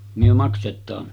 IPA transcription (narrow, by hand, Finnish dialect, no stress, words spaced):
myø mɑksetˑɑːn